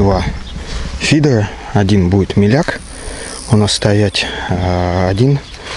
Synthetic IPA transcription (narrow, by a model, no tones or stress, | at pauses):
va | fʲid̪rə | ɐdʲinbuɪt̪mʲɪlʲak | onɐst̪ɐjætʲ | ɐdʲin